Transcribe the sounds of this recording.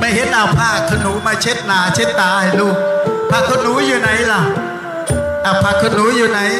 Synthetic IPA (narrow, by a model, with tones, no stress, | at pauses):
ma˧˩jhi˨˦˥ət̚naː˨˩wpʰaː˧˩a˨˩k̪ʰə˧nu˨˦maː˧˩t͡ɕʰe˦˥t̪̚naː˨˩t͡ɕʰe˦˥t̚t̪aː˨˩ha˨˩jlu˧pʰaː˧˥˩kʰːə˧nu˨˦˥zɨ˨˩na˨˩jlaː˨˩ | ʔaː˨˩wpʰaː˧˩kʰːəː˧nːu˨˦jzɨ˨˩na˨˩j